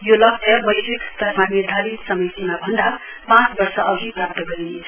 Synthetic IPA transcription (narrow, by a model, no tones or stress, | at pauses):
jolʌk̚t͡sʰʌbʌjsikt̪ʌɾmamid̪ʱalisʌmʌjsunabʱʌnd̪a | pãt͡sbʌrsʌʔʌɡipɾab̚t̪ʌɡʌɾinet͡sʰʌ̥